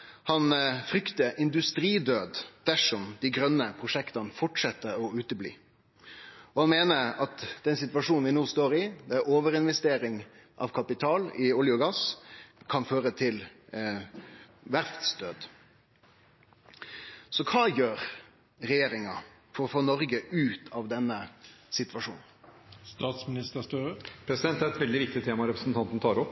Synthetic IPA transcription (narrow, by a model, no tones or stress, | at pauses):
hɑnfɾʏkt̪əʔɪnd̪ʉst̪ɾiːd̪øːd̪d̪̥æʂɔmd̪̥ɪɡɾœnːəpʰɾʊʂɛkt̪ɑnfɔʈʂɛt̪ːəɾɔʉːt̪əblḭː | ɔhɑnmeːnəɾɑt̪d̪ɛnsɪt̪ʋɑʂuːnnʋɪnoːst̪oːɾɪd̪ɛæɾoːʋəɾɪnʋɛst̪eːɾɪŋ | ʔɑ̰ʋkʰɑpɪt̪ʰɑːlɪʊljʊɡɑskʰɑnføːɾət̪ʰɪl | ʋæɾft̪st̪øːd̪ | sɔkʰɑːjøːɾ | ɾɛjeːɾɪŋɑ | fɔɾfɔːnɔɾɡəʔʉːt̪ʰɑʋd̪ɛnːəsɪt̪ʋɑʂṵːn̩st̪ɑːt̪smɪnɪst̪əst̪øpʰɾɛsɪd̪ɛnt̪æɾɛt̪ʋɛld̪ɪʋɪk̚t̪ɪt̪ʰeːmɑɾɛpɾəsn̩t̪ʰɑnt̪n̩t̪ɑːɾɔpː